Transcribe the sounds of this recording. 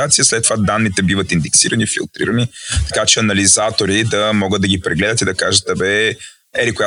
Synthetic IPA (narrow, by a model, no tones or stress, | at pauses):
at̪sijəslɛt̪ːovad̪anːit̪ɛbivət̪ind̪ɛksiɾənifḭlˠt̪ɾḭɾənit̪ɐ̥kat͡ʃɛɐnɐlizat̪oɾid̪ɐmɔɡəd̪d̪ɐɡipɾɛɡlɛd̪ət̪id̪ɐkaʒət̪̚d̪ɐbɛ | ɛɾikoʊja